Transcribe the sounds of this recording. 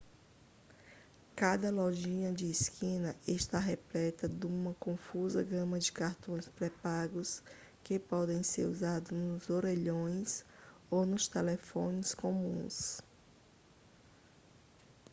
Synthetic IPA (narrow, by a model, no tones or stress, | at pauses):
kad̪ɐlɔʒĩɲɐd͡ʒɪːskĩnɐʔeʃt̪aɦɛplɛt̪ɐd̪ũmɐkõfuzɐɡɐ̃mɐd͡ʒɪkaɾt̪õj̃spɾɛpaɡʊs | kepɔd̪ẽj̃seɾuzad̪ʊnʊzoɾeʎõj̃sownʊst̪ɛlefõnɪskõmũs